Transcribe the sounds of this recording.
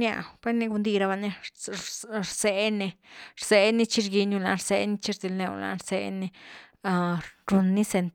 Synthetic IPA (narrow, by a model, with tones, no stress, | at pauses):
nja̰˧pʷe˦ni˦˧ɡu˧nd̪i˧ɾa˧ba˧ni˦ | ɾse˧˦ni˧ | ɾse˦ni˦t͡ʃi˦ɾɡi˧nu˧la̰˧ɾse˧˦ni˦˧t͡ʃi˦ɾzi˧˨lnḛ˧la̰˧ɾse˧ni˧ | ɾu˧nːi˦se˧n